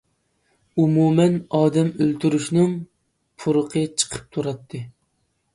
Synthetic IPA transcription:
umumɛnɑːd̪ɛmølt̪ʰyɾyʃnɪŋ | pʰuɾəqʰət͡ʃʰə̥qʰə̥p̚t̪ʰuɾɑt̪ʰːɨ

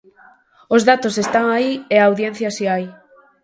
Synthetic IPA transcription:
ozðat̪o̞se̞st̪aŋaieaːwðien̟θjasiaj

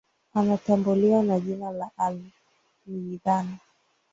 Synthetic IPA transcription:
anatambuliwanaʄinalaʔal | miiðana

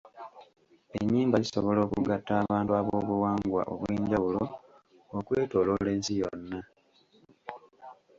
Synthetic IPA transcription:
ḛɲːiːmbaliso̞̰βo̞lo̞ːkṵɡatːaːβaːntuaβoːβuwaːŋɡwa̰ʔo̰βweːɲɟawulo̞ | okwe̞ːto̞ːlo̞le̞ːnsijo̞̰nːa

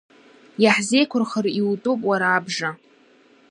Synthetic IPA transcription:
jaħze̞jkʷʰʊrχəriwutʼopʼwaɾaːbʐa

